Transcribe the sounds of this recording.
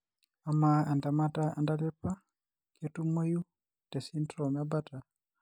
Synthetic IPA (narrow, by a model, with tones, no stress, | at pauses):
amaa˨nda˨ma˦taa˨nda˦tɛ˦pa˦ | kɔtu˦mo˦ju˦ | tɛ˨si˦ntɾɔmabata˨